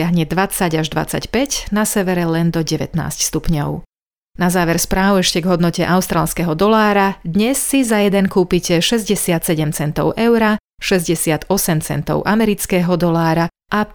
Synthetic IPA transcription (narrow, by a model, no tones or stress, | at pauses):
aɦɲɛd̪ʋat͡saɟaʒd̪ʋa̰t͡sa̰cpɛcnasɛʋɛɾɛlɛnd̪ɔɟɛʋɛ̰t̪na̰ːscst̪upɲɔʊ | nazaːʋɛɾspɾaːwɛʃcɛɡɦɔd̪nɔcɛʔaʊst̪ɾaːlskɛɦɔd̪ɔlaːɾad̪ɲɛsːizajɛd̪ɛnkuːpicɛʃɛzɟɛsɪat̪sɛɟɛmt͡sɛnt̪ɔ̰ʊʔɛʊɾa | ʃɛzɟɛsɪat̪ɔsɛmt͡sɛ̰nt̪ɔ̰ʊʔamɛɾit͡skɛːɦɔd̪ɔlaːɾa | ʔa